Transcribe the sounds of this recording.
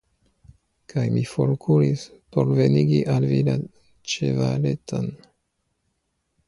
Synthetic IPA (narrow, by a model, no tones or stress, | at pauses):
kʰajmifoɾkʰuɾispoɾveniɡiʔalvila | t͡ʃevaleton